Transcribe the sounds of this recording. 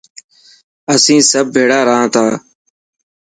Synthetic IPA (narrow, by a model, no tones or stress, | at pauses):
əsĩːsəb̚ːʱeːɽaːɾaãːt̪ʰaː